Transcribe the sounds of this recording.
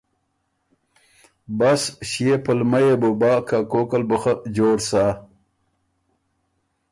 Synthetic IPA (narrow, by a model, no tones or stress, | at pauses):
basɕjepəlmajebubaːkakoːkalbəxad͡ʑoːɾsaː